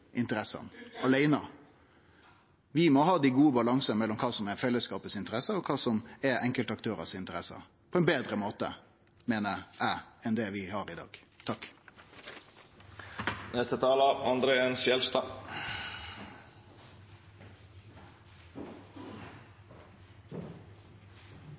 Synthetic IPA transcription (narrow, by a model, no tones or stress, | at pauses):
ʔɪnt̪əɾɛsɑ̰nɑlæɪnəɑ | ʋɪmɔhɑːd̪iːɡuːəbɑlɑŋsənmɛlːɔmkʰɑːsɔmɛɾfɛlːəskɑːpəsɪnt̪əɾɛsəɔkʰɑːsɔmæɾɛŋkəlt̪ɑk̚t̪ʰøːɾə̰sɪnt̪əɾɛsə̰ | pʰɔɛnbeːd̪ɾəmoːt̪ə̰ | meːnəɾæɛnd̪ɛʋɪhɑːɾɪd̪ɑ̰ːɡ̥ | t̪ʰɑk | nɛst̪ət̪ʰɑːləɑnd̪ɾeːensjɛlst̪ɑː